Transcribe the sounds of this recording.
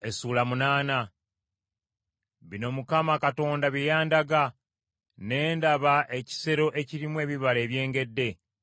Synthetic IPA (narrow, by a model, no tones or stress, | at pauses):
e̞suːlamunaːna | βino̞mukamakato̞ːndaβijaːndaɡa | ne̞ːndaβaʔe̞ci̥se̞ɾo̞ʔe̞ciɾimwe̞ːβiβale̞ːβje̞ːŋɡe̞dːe̞